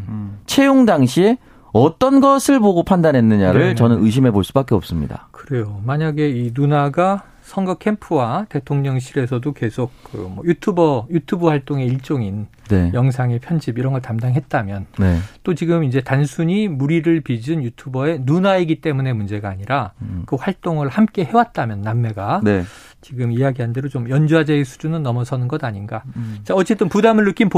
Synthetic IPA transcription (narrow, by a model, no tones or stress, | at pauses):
t͡ɕʰe̞joŋdaŋɕʰi | ʌt͈ʌnɡʌsʰɯɭboɡopʰandanɦe̞nːɯɲaɾɯɭt͡ɕʌnɯnɯɕ̬ʰime̞boɭs͈ubak͈eʌp̚s͈ɯmɲida̰kɯɾe̞jomaɲaɡe̞inunaɡa | sʰʌŋɡʌkʰe̞mpʰɯwate̞tʰoŋɲʌŋɕʰiɾe̞sʰʌdoke̞sʰok̚k͈ɯ̰mwʌ̰jutʰubʌjutʰubuhwaɭt͈oŋe̞iɭt͡ɕ͈oŋin | ne̞jʌŋs̬ʰaŋe̞pʰjʌnd͡ʑibiɾʌnɡʌɭtamdaŋɦet̚t͈amjʌnnet͈ot͡ɕiɡɯmind͡ʑe̞tansʰuɲimuɾiɾɯɭpid͡ʑɯnjutʰubʌe̞nunaiɡit͈e̞mune̞mund͡ʑe̞ɡaːɲiɾakɯɸwaɭt͈oŋɯɭhamk͈e̞ɦe̞wat̚t͈amjʌnːamːe̞ɡane | t͡ɕiɡɯmiaɡiɦande̞ɾot͡ɕomjʌnd͡ʑuad͡ʑeesʰu̥d͡ʑunɯnːʌmʌsʰʌnɯnɡʌdaɲinɡat͡ɕaʌt͡ɕ͈e̞t͈ɯnpudamɯɭːɯk͈ʰinp